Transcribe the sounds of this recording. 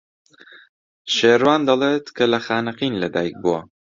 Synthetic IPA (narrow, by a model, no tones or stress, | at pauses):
ʃeːɾwaːnd̪ɐlˠeːt̪kʰɐlɐxaːnɨqinlɐd̪a̰ːjk̚buwɐ̰